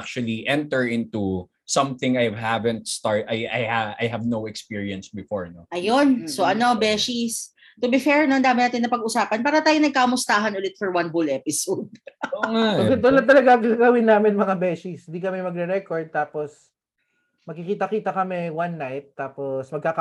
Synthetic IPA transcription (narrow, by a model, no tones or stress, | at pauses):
k̚t͡ʃwɐliʔɛ̃nt̪ɛɹɪ̃nt̪u | sɐ̃mθɪ̃ŋajvhavɛ̃nt̪̚st̪ɑɹt̪ajajhajɦɐvnowɛkspiɹiɐ̃nsbɪfoɹnoʔɐjonsoʔɐno̞bɛːʃis | t̪ʊbɪfɛɹnɐɐnd̪aːmɪnaːt̪ɪnːɐpɐɡʊsaːpɐnpaːɾɐt̪aːjonɐɡ̚kamʊst̪aːɦɐnʊlɪt̪fɔɹwɐnbulʔɛpɪsod̪̚oŋaɐɡɛd̪ʊlɐt̪ɐlɐɡaŋkakaɡɐwɪnːaːmɪnmɐŋabɛːʃɪshɪnd̪ikɐmɛmɐɡɾɛɾɛkoɹd̪̚t̪aːpos | mɐɡkɪkiːt̪ɐkiːt̪ɐkɐmɛwɐnːajt̪ːaːposmɐɡ̚kaːkɐ